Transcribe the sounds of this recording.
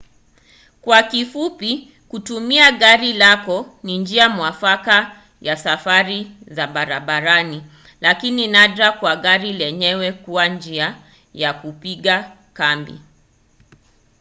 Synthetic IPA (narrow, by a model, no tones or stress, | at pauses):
kwakifupi | kutumiaɠaɾilakɔnind͡ʒiamwafaka | jasafaɾizaɓaɾaɓaɾani | lakininaɗɾakwaɠaɾilɛɲɛwɛkuwand͡ʒia | jakupiɠa | kambḭ